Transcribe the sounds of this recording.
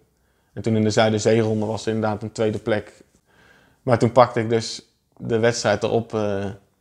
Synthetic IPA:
ɛntunɪndəzœɥdəzejrɔndəʋɑsərɪndəɹdaːtəntʋejdəplɛk | maːɹtunpɑk̚təɪɡ̚dɵs | dəʋɛtstrɛjt̚ə̰rʔɔp

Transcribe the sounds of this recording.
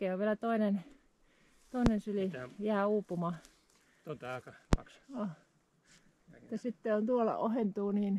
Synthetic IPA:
keːoʋʋielæt̪oinen | t̪oˑinensylijæːuːpumɑ | o | t̪ːɑsit̪ːeont̪uolɑ̰ʔohent̪uːniːn

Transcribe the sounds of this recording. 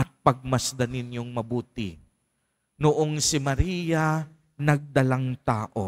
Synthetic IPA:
ʔɐt̪̚pɐɡ̚mɐsd̪ɐnɪnjoŋmɐbuːt̪ɪ̰ | nʊʔoŋsɪmɐɾiːja | nɐɡ̚d̪ɐlaŋt̪aːʔo

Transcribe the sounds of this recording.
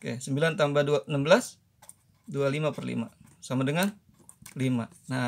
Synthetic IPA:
kesəmbilant̪ambaduaənambəlas | dualimapərlḭma̰samadəŋan | limana

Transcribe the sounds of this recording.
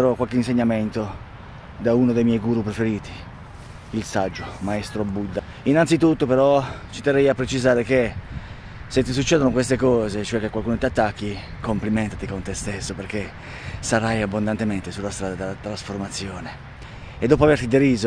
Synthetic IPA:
ɾɔkwalkeinseɲːament̪o | d̪aunod̪ejmjɛjɡuːɾupɾefeɾiːt̪i̥ | ilsad͡ʒːomaest̪ɾobud̪ːa | inansit̪ut̪ːopeɾɔt͡ʃit̪erːɛjapːɾet͡ʃizaːɾek̟e | set̪ːis̬ut͡ʃːɛːd̪onokwest̪ekɔːzet͡ʃoɛkːekːwalkuːnot̪iat̪ːakːi | komplimɛnt̪at̪ikont̪est̪esːoperke | saɾajabːond̪ant̪ement̪esulːast̪ɾaːd̪ad̪elːat̪ɾasformat̪sːjoːneː | d̪ːɔːp̬oavert̪id̪eɾiːzo

